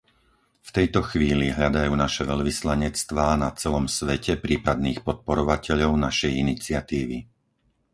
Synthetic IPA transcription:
ft̪ɛjt̪ɔxʋiːliɦʎad̪ajuːnaʃɛʋɛʎʋislaɲɛt͡st̪ʋaːnat͡sɛlɔmsʋɛcɛpɾiːpad̪niːxpɔt̪̚pɔɾɔʋacɛʎɔʊnaʃɛjinit͡sɪat̪iːʋi

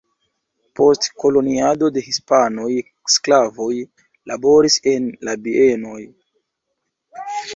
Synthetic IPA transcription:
po̞stko̞lo̞niado̞de̞hispano̞j | sklavo̞j | labo̞ɾise̞nlabie̞no̞j

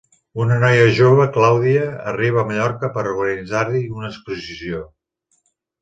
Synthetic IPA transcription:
unənɔjəʒoβ̞əklawðiə̰ːriβ̞əːməʎɔɾkəpəɾuɣənid͡zaɾliunəːspuzisio

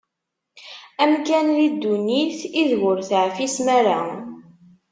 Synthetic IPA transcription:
æmkænlid̪ːuniθiðwʊɾθʕfismæɾa

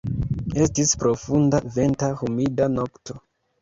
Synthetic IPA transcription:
e̞stispɾo̞fundave̞ntahumidanoktʰo̞

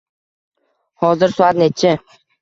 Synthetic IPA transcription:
hɒzɪɾsʊat̪net͡ʃʰɪ

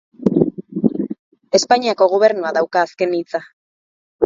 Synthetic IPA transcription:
e̞spaɲiako̞ɣ̞oβ̞e̞ɾnuaðawkaːske̞nit͡sa

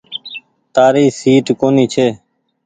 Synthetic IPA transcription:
t̪aːɾiːsiːʈkoːniːt͡ʃʰeː

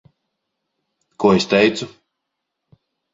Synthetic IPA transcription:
kuɔest̪ʲɛjt̪su

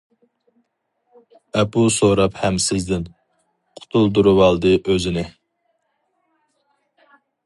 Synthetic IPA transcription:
ɛpusoɾɑphɛmsɪzd̪ɪn | qʰʊ̥t̪ʰulˠd̪uɾuwɑlˠd̪ɨʔøzɪnɪ

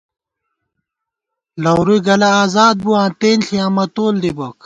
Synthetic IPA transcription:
lɐwɾujɡɐlɐaːzaːd̪̚buãːt̪eːnɬiamɐt̪oːld̪ibɐk

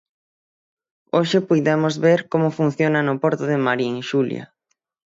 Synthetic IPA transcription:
oʃɪpujðemozβeɾkomʊfun̟θjonanʊpoɾt̪ʊðɪmaɾiŋʃulja̰

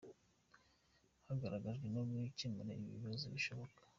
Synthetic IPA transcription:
haɡaɾaɡaʒɡwenomwicimiɾḛiβḭβazoβiʃo̞βokḁ

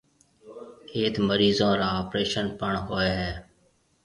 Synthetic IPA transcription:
eːt̪məɾiːzõːɾaːoːpɾeːʃənpəɳɦoːeːɦɛː

